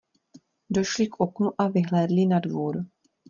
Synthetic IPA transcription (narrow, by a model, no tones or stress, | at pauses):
do̞ʃlɪkʔo̞knuʔavɪɦlɛːdlɪnadvuːɾ